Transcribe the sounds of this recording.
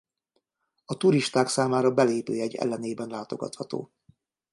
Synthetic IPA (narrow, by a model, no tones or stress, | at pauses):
ɒt̪uɾiʃt̪aːksaːmaːɾɒbɛleːpyːɛɟːɛ̰lːɛneːbɛnlaːt̪o̞ɡɒ̰t̪hɒt̪o̰ː